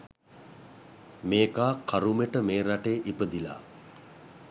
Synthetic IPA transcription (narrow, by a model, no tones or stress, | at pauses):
meːkaːkʰaɾumeʈəmeːɾaʈeːʔipəd̪ila̰ː